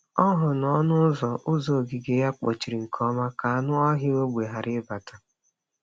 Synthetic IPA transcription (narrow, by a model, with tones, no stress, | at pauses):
ɔ˦ɦʊ˨nɔ˦nʊ˦zɔ˨ʔʊ˦zo˨ɡi˨ɡe˨ja˦k͡pɔ̰˨t͡ʃi˨ɾi˨ŋ̩˨kʰɔ˦ma˦ka˨a˨nʊ˦ɔ˦ɦɪ˦o˦ɡ͡bʷe˨ɦa˨ɾɪ˦ba˨ta˨